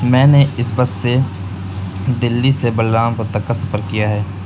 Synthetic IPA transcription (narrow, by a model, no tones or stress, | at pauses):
mɛ̃ːneɪsbɐsse | d̪ɪlːisebɐlːaːmpɐɾt̪ɐkkasɐfəɾkijaɦɛː